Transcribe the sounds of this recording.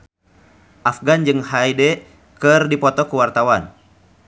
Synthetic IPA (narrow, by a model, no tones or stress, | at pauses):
ʔafɡand͡ʒɨŋɦaidɛ | kɨrdipɔt̪ɔkuwart̪awan